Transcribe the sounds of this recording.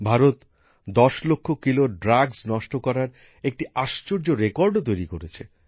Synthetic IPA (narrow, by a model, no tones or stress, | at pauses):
bʱaɾot̪ | d̪ɔʃlokʰːokiloɖɾaɡsnɔʃʈokɔɾaɾ | ek̚ʈiʔaʃt͡ɕoɾd͡ʑoɾekɔɾɖt̪ojɾikoɾet͡ɕʰe